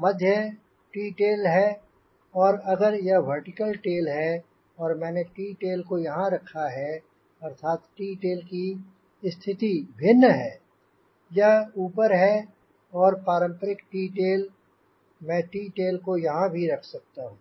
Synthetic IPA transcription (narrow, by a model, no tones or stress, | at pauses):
mɐd̪ʱjə | ʈiːʈeːlɦɛ | ɔːɾɐɡəɾjɐɦʋəɾʈɪkəlʈeːlɦɛ | ɔːɾmɛ̃ːneʈiːʈeːlkojɐɦãɾɐkʰaɦɛ | ɐɾt̪ʰaːt̪ʈiːʈeːlki | st̪ʰɪt̪ibʱɪnːəɦɛː | jɐɦuːpəɾɦɛ | ɔːɾpaːɾə̃mpəɾɪkʈiːʈeːl | mɛ̃ʈiːʈeːlkojɐɦãbʱiɾɐkʰsɐk̚t̪aɦũː